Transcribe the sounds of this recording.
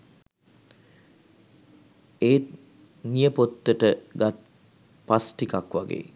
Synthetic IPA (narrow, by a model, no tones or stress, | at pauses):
eː | nijəpot̪ːəʈəɡat̪̚ | pasʈikakʋaɡḛː